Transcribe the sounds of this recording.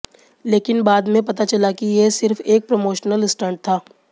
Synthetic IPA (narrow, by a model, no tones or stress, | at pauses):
leːkɪnbaːd̪mẽpɐt̪at͡ʃɐlakijesɪɾfeːk̚pɾomoːʃnəlɪsʈə̃ːɳʈ̚t̪ʰaː